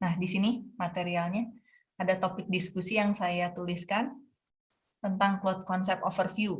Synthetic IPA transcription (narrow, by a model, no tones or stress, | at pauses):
nahdisinimat̪eɾialɲa | adat̪opɪk̚diskusijaŋsajat̪uliskan | t̪ənt̪aŋklɔt̪̚kɔnsɛp̚ofərfju